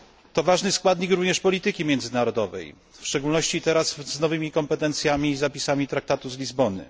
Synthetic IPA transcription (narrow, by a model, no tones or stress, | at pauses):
t̪ɔvaʐnɘskwad̪ɲikɾuvɲɛʂpɔlʲit̪ɘkʲimʲjɛnd̪zɘnaɾɔd̪ɔvɛ̰j | fʂt͡ʂɛɡulnɔɕt͡ɕit̪ɛɾasznɔvɘmʲikɔmpɛt̪ɛnt̪sʲjamʲizapʲisamʲit̪ɾak̚t̪at̪uzlʲizbɔnɘ̰